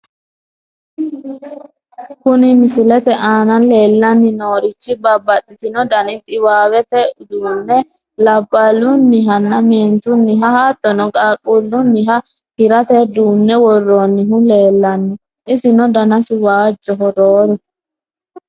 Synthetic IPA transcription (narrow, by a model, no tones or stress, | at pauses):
kʊnɪmɪsɪlɛt̪ɛʔaːnɐle̞ːlːɐnːɪnoːɾɪt͡ʃːɪbɐbːɐt̪ʼːɪt̪ɪnɔd̪ɐnɪt̪ʼɪwaːwɛt̪ɛʊd̪uːnːɛ | lɐbːɐlʊnːɪɦɐnːɐmeːnt̪ʊnːɪɦɐhaːt̪ʼːɔnɔɡʼaːkʼːulːʊnːɪɦɐ | hɪɾɐt̪ɛd̪uːnːɛwɔrːoːnːɪɦʊle̞ːlːɐnːɪ | ʔɪsɪnɔd̪ɐnɐsɪwaːd͡ʒːɔɦɔd̪oːɾɔ